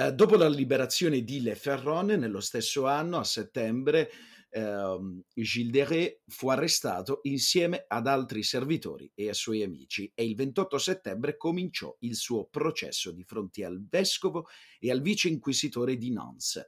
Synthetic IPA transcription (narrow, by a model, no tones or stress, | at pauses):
d̪oːpolalibeɾat̪sːjoːned̪ileferːɔnnelːost̪esːoanːoasːet̪ːɛmbɾe | ʒild̪eʁefuarːest̪a̰ːt̪oʔinsjɛːmead̪alt̪ɾiservit̪o̰ːɾḭeasːwɔjamḭːt͡ʃieilvent̪ɔt̪ːoset̪ːɛmbɾekomint͡ʃɔ̰ilsuːopɾot͡ʃɛ̰sːod̪ifɾont̪ea̰lvɛskovoealviːt͡ʃeiŋkwizit̪oːɾed̪inɔ̰ns